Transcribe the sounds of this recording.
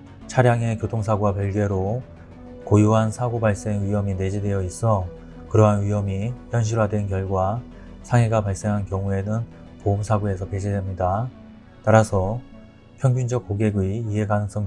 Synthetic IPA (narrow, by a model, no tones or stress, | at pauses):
t͡ɕʰaɾjaŋe̞kjotʰoŋsʰaɡuapjʌɭɡe̞ɾo | kojuɦansʰaɡobaɭs͈e̞ŋɥiɦʌmine̞d͡ʑidwe̞jʌis͈ʌ | kɯɾʌɦanɥiɦʌmijjʌnɕ̬ʰiɾwadwe̞nkjʌɭɡwa | sʰaŋɦe̞ɡapaɭs͈e̞ŋɦankjʌŋue̞nɯn | poumsʰaɡoe̞sʰʌped͡ʑidwemɲida | taɾasʰʌ | pʰjʌŋɡund͡ʑʌk̚k͈oɡe̞ɡɥiːɦe̞kanɯŋs͈ʌŋ